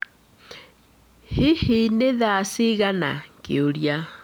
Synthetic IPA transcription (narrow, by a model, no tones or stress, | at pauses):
hihineðaːsiɣana̰kḛoɾja